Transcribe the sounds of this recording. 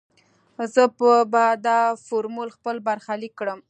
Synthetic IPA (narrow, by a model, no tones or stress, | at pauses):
zəpəbad̪ɑfoɾmulxpəlbaɾxalikːɽəm